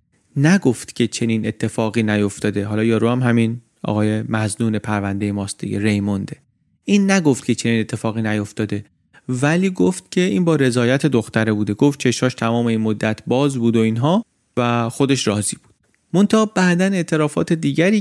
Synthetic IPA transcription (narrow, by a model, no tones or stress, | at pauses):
næɡoft̪cʲʰe̞t͡ʃʰe̞niːne̞t̪ʰːe̞fɒːɣiːnæjo̞ft̪ɒːd̪e̞ɦɒːlɒːjɒːɾuːæmɦæmin | ɒ̰ːɣɒːje̞mæznuːnepʰæɾvænd̪e̞je̞mɒːst̪̚d̪ḭɟeɾe̞jmond̪e̞ | ʔiːnːæɡo̞ft̪̚cʰe̞t͡ʃʰe̞niːne̞t̪ʰːe̞fɒːɣiːnæjo̞ft̪ɒːd̪e̞ | væliːɡoft̪̚cʰe̞ʔiːnbɒːɾe̞zɒːjæt̪ʰe̞d̪oxt̪æɾebuːd̪e̞ɡoft̪̚t͡ʃʰe̞ʃhɒːʃt̪ʰæmɒːme̞iːnmod̪ːæt̪ʰbɒːzbuːd̪oinɦɒː | væxod̪e̞ʃɾɒːziːbu̥ːd̪̥̚ | mo̞nt̪ʰɑɒːbæʔd̪æne̞ʔt̪ʰe̞ɾɒːfɒ̰ːt̪ʰe̞d̪iːɟæɾiː